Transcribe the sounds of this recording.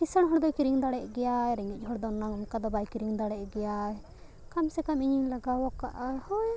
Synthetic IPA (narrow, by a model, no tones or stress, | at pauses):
isəɽɦɔɽd̪ɔkiɾiŋd̪aɽɛʔɡɛjajɾɛŋic̚ˀhɔɽd̪ɔnːaŋɔmkad̪ɔbajkiɾiŋd̪aɽɛʔɡɛjaj | kamsɛkamiɲilaɡawɔka̰ʔahɔj